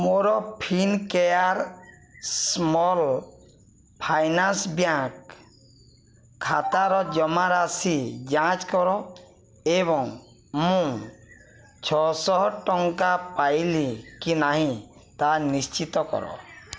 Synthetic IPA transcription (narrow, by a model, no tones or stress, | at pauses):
moɾɔpʰinkɛjaɾ | smɔl | pʰajnansbjãk | kʰːat̪aɾɔd͡ʒɔmaɾasid͡ʒãt͡ʃkɔɾɔ | eβɔŋ | mũ | t͡ʃʰɔsɔʈɔŋkapajlikinaɦĩt̪anist͡ʃit̪ɔkɔ̰ɾɔ̰